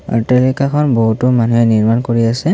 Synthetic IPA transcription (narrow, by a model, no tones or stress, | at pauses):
a̰telikakʰɔnboɦutʊmanuɦɛniɹmankoɹiasɛ